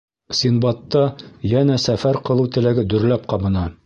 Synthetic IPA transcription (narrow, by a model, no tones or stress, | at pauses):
sinbɑt̪ːɑjænæsæfæɾqɤ̆lˠɤwt̪ɘ̆læɡɘd̪ɵ̆ɾlæp̚qɑbɤ̆nɑ